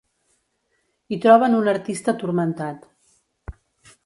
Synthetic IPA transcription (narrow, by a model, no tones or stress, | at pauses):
it̪ɾɔβ̞ənunəɾt̪ist̪ət̪uɾmənt̪at̪